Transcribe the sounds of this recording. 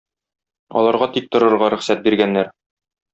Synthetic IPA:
ɒ̰lˠɑɾʁɑt̪ik̚t̪ŏɾɤ̆ɾʁɑɾɵ̆χsæt̪̚biɾɡænːæɾ

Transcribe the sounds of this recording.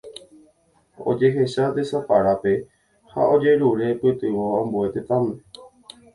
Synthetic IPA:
o̰d͡ʒe̞ɦe̞ʃad̪esopaɾape̞ | ha̰ʔo̞d͡ʒe̞ɾuɾe̞pɨt̪ɨʋoõmbue̞t̪et̪ãmẽ

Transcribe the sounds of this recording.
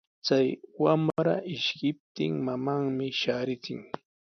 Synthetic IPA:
t͡sajwamɾaʔɪʃkɪp̚t̪ɪ̰ŋmamaŋmɪʃaːɾɪt͡sɪ̰ŋ

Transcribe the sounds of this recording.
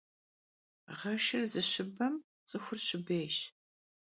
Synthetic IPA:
ʁɐʃɪrzɨɕɨbɐm | t͡sʼɨxʷʊrɕɪbeːʃ

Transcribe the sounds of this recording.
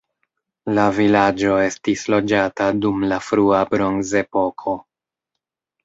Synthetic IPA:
lavilad͡ʒo̞e̞stislo̞d͡ʒatadumlafɾuabɾo̞nze̞po̞kʰo̞

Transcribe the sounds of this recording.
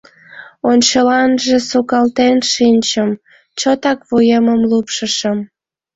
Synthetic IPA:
onʲt͡ɕəlɑnʒesukɑlt̪enʃinʲt͡ɕəm | t͡ɕot̪ɑkβujəməmlupʃəʃəm

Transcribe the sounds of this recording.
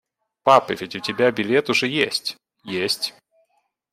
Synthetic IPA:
papɨvʲɪtʲʊtʲɪbʲabʲɪlʲet̪ʊʐɛjesʲtʲ | jesʲtʲ

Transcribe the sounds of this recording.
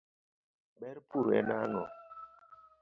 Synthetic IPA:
ɓɛɾpuɾɛ̰nanɔ

